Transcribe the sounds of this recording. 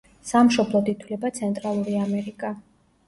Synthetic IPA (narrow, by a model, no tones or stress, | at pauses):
samʃɔblˠɔt̪it̪ʰwlɛbat̪sʰɛnt̪ʼɾalˠuɾiamɛɾikʼa